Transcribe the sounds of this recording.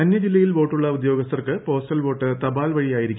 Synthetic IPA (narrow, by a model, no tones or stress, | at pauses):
ɐnːjɐd͡ʑilːɐjilʋo̞ːʈːuɭːɐud̪jo̞ːɡɐst̪ɐrkɨpo̞ːstɐlʋo̞ːʈːɨt̪ɐbaːlʋɐɻijaːjiɾikʲː